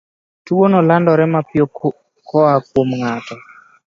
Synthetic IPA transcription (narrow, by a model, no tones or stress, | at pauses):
tuwonɔlandɔɾɛmapjo | kɔakwomŋatɔ